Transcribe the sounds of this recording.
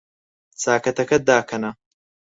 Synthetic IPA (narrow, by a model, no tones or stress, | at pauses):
t͡saːkɐt̪ɐkɐd̪aːkʰɐnɐ